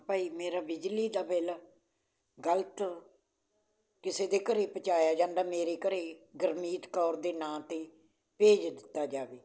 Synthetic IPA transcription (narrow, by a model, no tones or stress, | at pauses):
paːiːmeːɾaːbɪd͡ʒliːd̪aːbɛːlaː | ɡəlt̪ | kɪseːd̪eːkəɾeːpət͡ʃaːjaːd͡ʒãːnd̪aːmeːɾeːkəɾeːɡəɾmiːt̪kɔːɾd̪eːnãːt̪eː | peːd͡ʒd̪ɪt̪ːaːd͡ʒaːʋeː